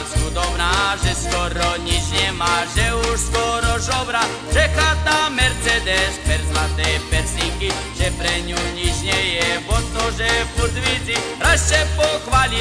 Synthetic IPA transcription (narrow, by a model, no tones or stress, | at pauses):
skud̪ɔbnaːʒɛskɔɾɔɲit͡ʃɲɛmaʒɛuʃskɔɾɔzɔbɾa | ʒ̥ɛxat̪amɛɾt͡sɛd̪ɛspɛɾzlat̪ɛːpɛsniŋki | ʒ̥ɛpɾɛɲuɲit͡ʃɲɛjɛvɔt̪ːɔʒɛfuɾzʋid͡zi | ɾast͡ʃɛpɔxʋali